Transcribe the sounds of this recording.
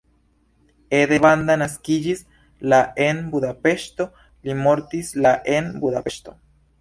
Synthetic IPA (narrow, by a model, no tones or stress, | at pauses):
eðeβand̪anaskid͡ʒis | laenbuðapeʃt̪o | limoɾt̪islaʔenbuðapeʃt̪o